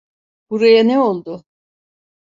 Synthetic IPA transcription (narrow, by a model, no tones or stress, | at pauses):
b̥uɾajanɛo̞lˠd̪ʊ